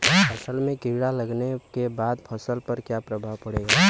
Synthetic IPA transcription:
pʰəsəlmẽkiɽaləɡnekebaːd̪pʰəsəlpəɾkjapɾəbʱaʋpəɽeɡa

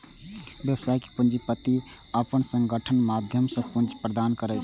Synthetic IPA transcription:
bjəbəsaike̥pund͡ʒipət̪i | əpənsə̃ŋɡəʈʰənmad̪ʱjəmsə̃pund͡ʒpɾəd̪ankəɾət͡ʃʰ

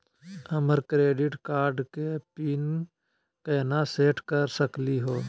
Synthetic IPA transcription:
əməɾkɾeːɖɪʈkaːɾɖkepiːn | keːnaseːʈkəɾsəkliɦoː

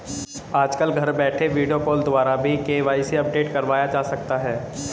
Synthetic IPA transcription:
aːd͡ʒkəlɡʱɐɾbɛːʈʰeʋiːɖijokoːld̪ʊʋaːɾabʱikeːʋaːiseɐp̚ɖeːʈkɐɾʋaːjad͡ʒaːsɐk̚t̪aɦɛː

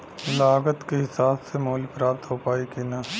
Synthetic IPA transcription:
laːɡət̪keɦɪsaːbsemoːlpɾaːpt̪ɦopaːikena

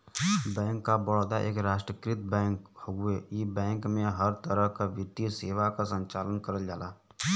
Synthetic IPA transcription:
bɛ̃ːŋkːabɔɽd̪aʔḛːkɾaːʃʈɾəkɾɪt̪̚bɛ̃ːŋkhoɡuejibɛ̃ːŋkmẽɦəɾt̪əɾəɦkaʋɪt̪iseːʋakasə̃ɲt͡ʃaːlənkəɾəld͡ʒaːlaː

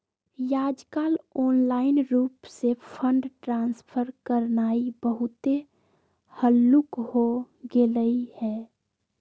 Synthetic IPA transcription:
jaːd͡ʒkaːloːnlaːɪnɾuːpsepʰəɳɖʈɾãːnspʰəɾkəɾnaːibəɦʊt̪e | həlːukɦo | ɡeləihɛː

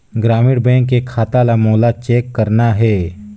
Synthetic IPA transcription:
ɡɾaːmɪɽbɛ̃ːŋkːekʰaːt̪alamoːlat͡ʃeːkːəɾnaɦɛː

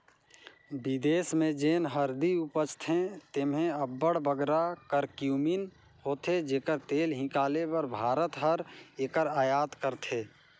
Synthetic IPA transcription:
bɪd̪eːsmẽd͡ʒeːnɦəɾd̪iʊpət͡ʃt̪ʰẽt̪emɦẽəbːəɽbəɡɾakəɾkjuːmin | hoːt̪ʰed͡ʒeːkəɾt̪eːlɦɪ̃kaːlepəɾbʱaːɾət̪ɦəɾeːkəɾaːjaːt̪kəɾt̪ʰeː

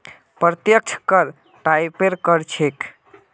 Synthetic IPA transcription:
pɾət̪jək̚t͡ʃʰkəɾ | ʈajpeɾkəɾt͡ʃʰek

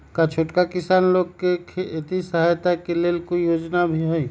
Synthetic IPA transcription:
kat͡ʃʰoːʈkakɪsaːnloːɡ̚kekʰeɪt̪isəɦajt̪akeleːlkoijoːd͡ʒnabʱiɦoi

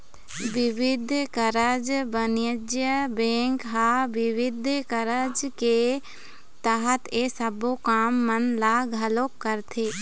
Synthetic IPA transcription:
ʋɪʋɪd̪ʱkəɾəd͡ʒbənjəd͡ʒjəbẽːŋkɦaːʋɪʋɪd̪ʱkəɾəd͡ʒke | t̪aɦət̪esəbokaːmːənlaːɡʱɐloːkːəɾt̪ʰeː

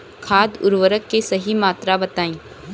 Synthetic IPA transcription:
kʰaːd̪ʊ̰ɾʋəɾəkːesɐɦimaːt̪ɾabɐt̪aːĩː

